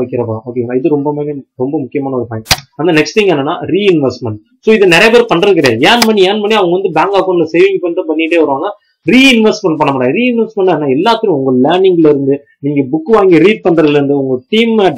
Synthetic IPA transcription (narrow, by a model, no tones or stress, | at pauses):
ʋɐkːɪɾɐpaoːkeːŋɐɪðɯɾɔmbɐmeːeɾɔmbɐmʊkːɪjɐmaːnɐɔɾɯfɐːjɪ̃mɐnd̪ɐnɛksʈt̪ɪŋɡɛnːɐnːa̰ːɾiːɪnʋɛsʈmɛɳʈ̚ | soːɪðɯnɛɾɐjɐpːeːɾɯpɐɳɪɾɯkːɪɾeːjeːnmɐɳnːiɛːnmɐɳːiɐʋɐŋɡɐʋɐnd̪ɯbaːŋɡaːkonɪlɐsejʋɪŋɡpɐnːʈ̪ːɯ̃pɐɳːɪɪʈːeːʋɐɾɯʋaːŋɡɐ | ɾiːɪnʋɛsʈmɛɳʈ̚pɐɳːɐmːɽaːɡɐɾiːɪnʋɛsʈmɛɳʈaːnːaːɛlːaːt̪ːɪɾʊ̃ʊŋɡɐleːɳɪŋɡlɐɪɾɯnd̪ɯ | niːŋɡɐbʊkːɯʋaːŋɡiɾiːʈ̚pɐɳɾɐðɪlɾɯnd̪ɯʊŋɡɐʈiːm